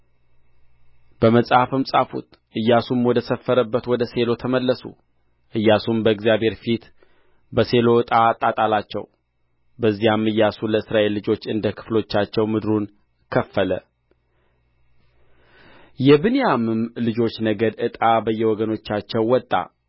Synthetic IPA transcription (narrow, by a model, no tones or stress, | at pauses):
b̥əməsʼafɨmsʼafṵt̪ | ʔɨjːasumwɔd̪əsəfːəɾəbːət̪wɔd̪əse̞lo̞t̪ʰəməlːəsṵ | ʔɨjːasumbəɨɡzijabhe̞ɾfit̪ | bəse̞lo̞t̪ʼat̪ʼat̪ʼalat͡ʃːɛ̰w | bəzːijamɨjːasuləɨsɾaʔe̞lːɨd͡ʒo̞t͡ʃːɨnd̪əkʰɨ̥flo̞t͡ʃːat͡ʃːɛwmɨd̪ɾun | kʰəfːələ̰ | jɛbɨnejamɨmlɨd͡ʒo̞t͡ʃːnəɡəd̪ɨt̪ʼabəjːɛwɔɡəno̞t͡ʃːat͡ʃːɛwːɔt̪ʼːa̰